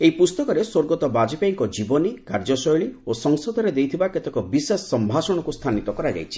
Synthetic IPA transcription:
eipust̪ɔkɔɾesoɾɡɔt̪ɔbad͡ʒipaiŋkɔd͡ʒibɔnikaɾd͡ʒɔsɔjɭiosɔŋsɔd̪ʱɔɾed̪ejt̪ʰibaket̪ekɔbisesːɔmbʱasɔɽ̃ɔkust̪ʰanit̪ɔkɔɾad͡ʒa̰jt͡ʃʰi̥

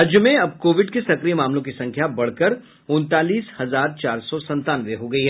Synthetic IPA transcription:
ɦɐd͡ʒjəmẽɐb̚koːʋɪɖkesɐkɾijmaːmlõkisɐ̃ŋkʰjabɐɽ̤kɐɾ | ʊ̃nt̪aːliːshɐzaːɾt͡ʃaːɾsɔsɐ̃nt̪aːnʋeɦoɡɐiɦɛ

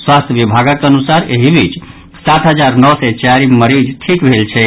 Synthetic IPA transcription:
swast̪ʰjəʋibʱaɡəkənusaɾeɦibʱit͡ʃ | sat̪ʰɦəd͡ʒaɾnɔsɛt͡ʃaɾiməɾid͡ʒʈʰikbʱelt͡ʃʰɛ

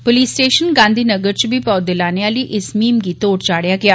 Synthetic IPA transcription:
poliːsʈeːʃənɡãːnd̪ʱiːnəɡəɾt͡ʃbiːpɔːd̪ɪlaːneãːləiːʔɪsmiːmɡiːt̪oːʈt͡ʃaːɽjaːɡɪaː

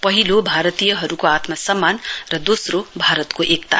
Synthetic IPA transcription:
pʌɦilobʱaɾʌt̪ijʌɦʌɾukoat̪masʌmːanrʌd̪osrobʱaɾʌt̪koʔekt̪a̰

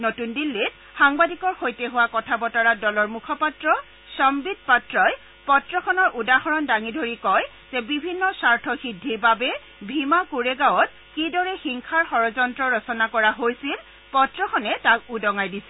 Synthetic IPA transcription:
notundilːit | xaŋbadikɔɹxojteɦʊwakɔtʰabɔtaɹadɔlɔɹmukʰɔpatɹɔ | sɔmbid̚patɹɔj | pɔtɹɔxʰɔnɔɹʔudaxɔɹɔndaŋidʱoɹikɔj | zɛbibʱinːɔsaɹtʰɔxidʱiɹbabɛ | bʱimakuɹɛɡawɔt̚ | kidɔɹɛxiŋkʰaɹxɔɹɔzɔntɹɔɹɔsɔnakɔɹaɦojsil | pɔtɹɔxʰɔnɛtakudɔŋajdisɛ̥

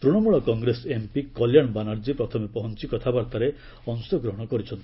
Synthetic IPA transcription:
t̪ɾuɽ̃ɔmuɭɔkɔŋɡɾesempikɔljaɳbanaɾd͡ʒipɾɔt̪ʰɔmepɔɦɔnt͡ʃikɔt̪ʰabaɾt̪aɾe | ɔnsɔɡɾɔɦɔɽ̃ɔkɔɾit͡ʃʰɔnt̪i

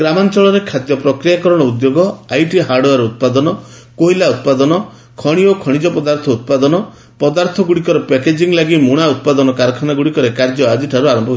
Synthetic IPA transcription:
ɡɾamant͡ʃɔɭɔɾekʰat̪jɔpɾɔkɾijakɔɾɔɽ̃ɔud̪joɡɔajʈiɦaɾɖoaɾɔut̪̚pad̪ɔnɔ | koɦilaut̪̚pad̪ɔnɔ | kʰɔɽ̃iokʰɔɽ̃id͡ʒɔpɔd̪aɾt̪ʰɔut̪̚pad̪ɔnɔ | pɔd̪aɾt̪ʰɔɡuɽikɔɾepeked͡ʒiŋlaɡimuɽ̃aut̪̚pad̪ɔnɔkaɾɔkʰanaɡuɽikɔɾekaɾd͡ʒɔad͡ʒiʈʰaɾuaɾɔmbɔɦ

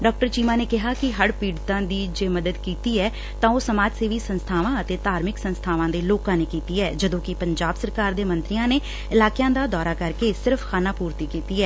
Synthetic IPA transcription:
ɖɔːk̚ʈəɾt͡ʃiːmaːneːkɪɦaːkɪɦəɽpiːɽt̪ãːd̪iːd͡ʒeːməd̪əd̪kiːt̪iːɛː | t̪ãːoːsəmaːd͡ʒseːʋiːsənst̪ʰaːʋãːət̪eːt̪aːɾmɪksənst̪ʰaːʋãːd̪eːloːkãːneːkiːt̪iːɛːd͡ʒəd̪õːkɪpəɲd͡ʒaːbsəɾkaːɾd̪eːmə̃nt̪ɾɪjãːneː | ɪlaːkjãːd̪aːd̪ɔːɾaːkəɾkeːsɪɾfʰkʰaːnaːpuːɾt̪iːkiːt̪iːɛː

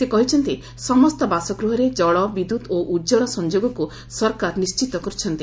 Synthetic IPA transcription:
sekɔɦit͡ʃʰɔnt̪i | sɔmɔst̪ɔbasɔɡɾuɦɔɾed͡ʒɔɭɔbid̪ud̪oʔud͡ʒɔɭɔsɔnd͡ʒoɡɔku | sɔɾkaɾnist͡ʃit̪ɔkɔɾut͡ʃʰɔnt̪i

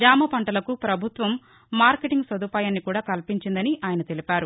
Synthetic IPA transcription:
ɡaːmɐpɐɳʈɐlɐkupɾɐbʱut̪ʋɐmː | aːɾkeʈiŋɡsɐd̪uːpaːjɐnːikuːɽaːkɐlpiɲt͡ʃind̪ɐniʔaːjɐnɐt̪elipʲaːɾu

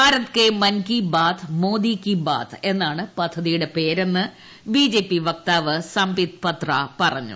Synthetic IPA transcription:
aːɾɐt̪kemɐnkibaːt̪ʰmo̞ːd̪iːkːiba̰ːt̪ʰe̞nːaːɳɨpɐd̪ʱːɐðijuɽe̞peːɾenːɨ | biːd͡ʑe̞ːpːiʋɐk̚t̪aːʋɨsɐmbit̪̚pɐt̪rɐpɐrɐɲːṵ

